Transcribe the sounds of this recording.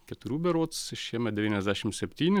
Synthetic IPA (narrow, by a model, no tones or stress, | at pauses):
kʲɛt̪ʊɾʲuːbʲɛɾoːt̪sʃʃʲiɛmʲɛt̪d̪ʲɛʋʲiːnɛzd̪ʲæːʃʲɪmsʲɛpʲt̪ʲiːnʲɪ